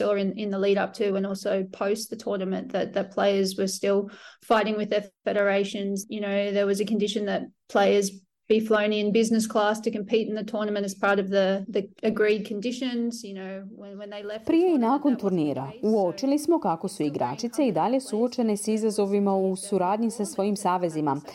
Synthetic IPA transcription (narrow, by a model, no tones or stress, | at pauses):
ɔɹɨ̃nɪ̃nðəliɾʌp̚tʰʉwɨ̃nɔlˠsoʊpʰoʊst̪ðɨtʰɔɹnəmɨ̃nðɨt̪̚ðɨt̚pʰl̥eɪə˞zwə˞stɪlˠfaɪɾɪ̃ŋwɨðəfɛɾə˞eɪʃɨ̃nzjɨnoʊðə˞wʌzɨkɨ̃ndɪʃɨ̃nðɨt̚pʰl̥eɪə˞z | b̥iflõʊ̃nɨ̃nbɪznɨskʰl̥æstʰɨkɨ̃m̩pʰiɾn̩ðɨtʰɔɹnəmɨ̃ntɨz̥pʰɑɹɾʌvðiðiɨɡɹid̚kʰɨ̃ndɪʃɨ̃nzjɨnoʊw̃nwə̃nðeɪlɛpɾijeinaːko̞nt̪uɾniːɾa̰uo̞t͡ʃilismo̞kako̞suiɡɾa̰t͡ʃit̪se̞id̪aʎe̞suot͡ʃe̞nesizazo̞ʋimausuɾaːd̪ɲisasʋo̞jimsaːʋe̞zima̰